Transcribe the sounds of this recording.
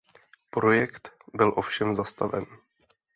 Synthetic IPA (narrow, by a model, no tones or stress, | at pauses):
pɾo̞jɛkt̪bɪlʔo̞fʃɛmzast̪avɛ̰n